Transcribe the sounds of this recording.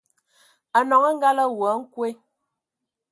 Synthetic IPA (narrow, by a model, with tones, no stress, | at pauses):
a˨nɔ˨ŋə˦ŋ̩˦ɡa˦lə˦wɔ˨˦ŋ̩˦kwe˦